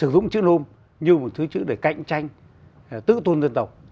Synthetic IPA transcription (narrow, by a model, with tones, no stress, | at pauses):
sɨ˧˩zʊ̰˧˨ŋ͡mt͡ɕɨ̰˧˥no˧m | ɲɨ˧mo˨˩t̚t̪ʰɨ˨˦t͡ɕɨ̰˧˥ɗe˧˩ka̰˧˨jŋ̟t͡ɕa˧jŋ̟ | t̪ɨ̰˧˥t̪u˧nzə˧nt̪ə˨˩w